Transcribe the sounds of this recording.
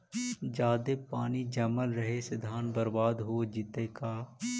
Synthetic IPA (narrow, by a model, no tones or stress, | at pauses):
d͡ʒaːd̪epaːnid͡ʒɐməlɾəɦesɪd̪ʱaːnbəɾbaːd̪ɦoːd͡ʒɪt̪eːkaː